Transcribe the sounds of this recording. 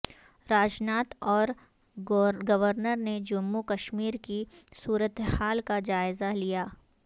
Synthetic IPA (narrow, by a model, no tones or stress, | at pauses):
ɾaːd͡ʒnaːt̪ɔːɾ | ɡɐʋəɾnəɾned͡ʒʊmːukəʃmiːɾkisuːɾət̪haːlkad͡ʒaːɪzalijaː